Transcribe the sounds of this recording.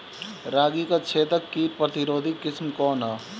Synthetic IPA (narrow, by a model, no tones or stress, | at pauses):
ɾaːɡikat͡ʃʰeːt̪əkːiːpɾət̪ɪɾoːd̪ʱikɪsmkɔːnɦɛː